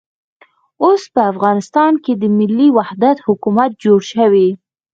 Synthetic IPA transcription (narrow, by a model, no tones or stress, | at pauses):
ospəafɣɑnɪst̪ɑnked̪əmɪlːiwahd̪at̪hʊkumat̪̚d͡ʒoɽʃəwi